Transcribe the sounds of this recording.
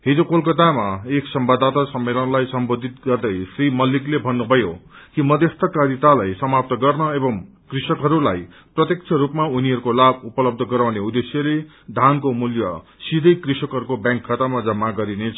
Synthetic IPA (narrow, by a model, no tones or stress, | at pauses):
ɦid͡zokolkʌt̪amaeksʌmbad̪ʱat̪asʌmːelʌnlajsʌmbod̪ʱit̪ɡʌrd̪ʌjsrimʌliklebʱʌnːubʱʌjokimʌd̪est̪ʰʌkaɾit̪alajsʌmap̚t̪ʌɡʌrnʌebʌm | krisʌkɦʌɾulaj | prʌt̪jek̚t͡sʰʌɾupmauniɦʌɾukolabupʌlʌb̚d̪ʱʌɡʌɾawneud̪esjʌle | d̪ʱankomuljʌ̰sid̪ʱʌjkrisʌkɦʌɾukobjãŋkʰːat̪amad͡zʌmːaɡʌɾinet͡sʰ